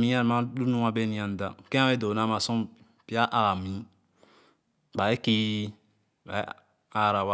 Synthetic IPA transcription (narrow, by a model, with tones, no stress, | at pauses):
mĩ˦a˦n˨mã˦du˦nũ˦a˦be˦nĩ˨a˨n˨da˨kẽ˦ã˦e˦do˨na˦ma˨sɔ̃˦ | pi˦a˦ʔa˨a˨mĩ˨˦ | ba˨e˦ki˦ | ba̰˨˦ | a˦˨ɾa˨wa˦